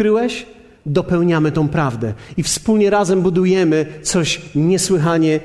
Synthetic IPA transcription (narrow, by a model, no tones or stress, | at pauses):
ɾɘwɛɕ | d̪ɔpɛwɲamɘt̪ɔ̃w̃pɾavd̪ɛifspulɲɛɾazɛmbud̪ujɛmɘt̪sɔɕɲɛswɘxaɲɛ